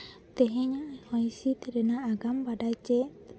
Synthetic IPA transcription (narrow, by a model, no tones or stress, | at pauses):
t̪eɦeɲahaisit̪edenaːɡambadat͡ʃɛ